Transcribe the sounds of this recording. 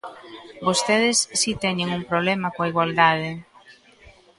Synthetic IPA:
bost̪eð̞ɪsːit̪ɛɲeŋuŋpɾoβlɛmakoaiɣwald̪að̞ɪ

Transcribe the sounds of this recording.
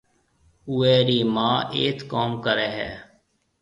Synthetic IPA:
ueːɾiːmaːʔeːt̪koːmkəɾɛːɦɛ̰ː

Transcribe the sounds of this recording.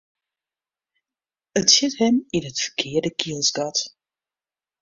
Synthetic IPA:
ətsɪthɛminətfə̥rkʰɪːəɹdəkiəlˠsɡɑt

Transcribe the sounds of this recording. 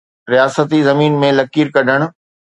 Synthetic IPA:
ɾijaːsət̪izɐmiːnmẽlɐkiːɾkɐɗʱəɽ̃ʊ̆

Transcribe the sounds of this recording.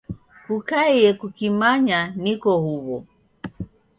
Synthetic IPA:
kukaɛjɛkukimaɲanikɔhuβɔ

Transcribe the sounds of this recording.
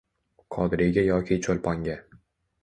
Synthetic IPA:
kʰɒd̪ɪɾɪɡʲajɒkʲʰɪt͡ʃʰolˠpʰɒŋɡʲa

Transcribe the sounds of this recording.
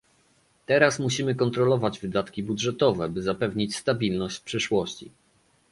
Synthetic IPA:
t̪ɛɾasmuɕimɘkɔnt̪ɾɔlɔvad͡ʑvɘd̪at̪kʲibudʐɛt̪ɔvɛbɘzapɛvɲit͡ɕst̪abʲilnɔɕt͡ɕfpʂɘʂwɔɕt͡ɕḭ

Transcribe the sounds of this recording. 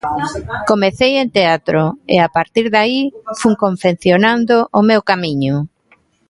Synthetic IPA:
komeθejent̪eat̪ɾʊḛapaɾt̪iɾðaifuŋkoɱfen̟θjonand̪oʔʊmewkamiɲʊ

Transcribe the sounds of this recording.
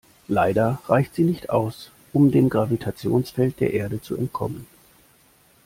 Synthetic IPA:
laɪdɐʁaɪçtz̥iːnɪçtʔa̰ʊs | ʔʊmdeːmɡʁavitʰat͡sjoːnsfɛlt̚d̥eːɐʔeːɐɾət͡suɛ̰nt̚kʰɔ̰mən

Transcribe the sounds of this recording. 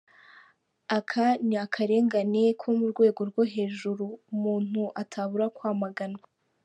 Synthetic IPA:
akʰaniakʰaɾe̞ːŋɡane̞kʰomuɾɡwe̞ːɡo̞ɾɡwoɦe̞ːʒuɾumuːn̥huʔatʰaβuɾakwaːmaɡana

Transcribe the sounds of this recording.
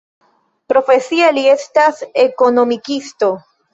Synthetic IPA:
pɾo̞fesialiest̪asekonomikist̪o

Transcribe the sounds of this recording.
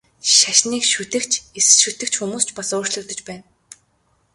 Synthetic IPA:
ʃaʃniːkʃut̪ɘ̆kt͡ɕʰesɘ̥̆ʃut̪ɘ̆kt͡ɕxumuːst͡ɕpasʊːrt͡ɕɮɵ̆t̪ə̆t͡ɕpæːn

